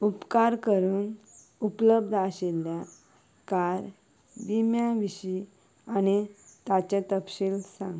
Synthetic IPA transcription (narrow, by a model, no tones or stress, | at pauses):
upkaɾkəɾuːn | upləbd̪ʱaɕelja | kaɾ | bimjãʋiɕi | añit̪at͡ɕãt̪əpɕiːlsãŋɡ